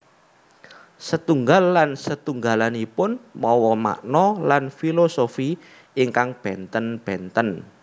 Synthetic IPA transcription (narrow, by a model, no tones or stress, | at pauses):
sət̪uŋɡalːansət̪uŋɡalanipʊnmɔwɔma̰ʔnɔlanfilosofi | iŋkaŋb̥ɛnt̪ənb̥ɛnt̪ən